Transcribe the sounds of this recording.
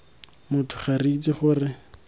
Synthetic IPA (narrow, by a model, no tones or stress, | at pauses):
mʊtʰʊ̥χarit͡sʼiχʊrɪ